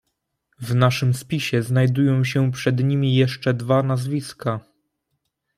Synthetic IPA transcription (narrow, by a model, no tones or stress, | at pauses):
vnaʂɘmspʲiɕɛznajd̪ujɔ̃w̃ɕɛpʂɛd̪ɲimʲijɛʂt͡ʂɛd̪vanazvʲiska